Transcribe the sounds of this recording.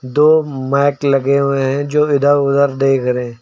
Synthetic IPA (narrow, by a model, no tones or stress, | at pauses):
d̪oːmɛːklɐɡeɦẽɦɛ̃d͡ʒoːɪd̪ʱaʊd̪əɾd̪eikɐɾẽː